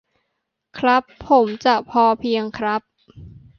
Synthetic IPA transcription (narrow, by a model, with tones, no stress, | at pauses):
kʰɾa˦˥pʰːo˩˦mt͡ɕa˨˩ʔpʰɔː˧pʰi˧əŋkʰɾa˦˥p̚